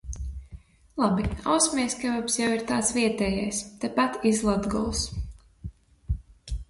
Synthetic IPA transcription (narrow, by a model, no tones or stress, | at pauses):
lˠabiawsmiɛskavapsjawiɾt̪aːt̪sʋiɛt̪ɛːjajst̪ɛpat̪izlˠad̪ɡɔlˠs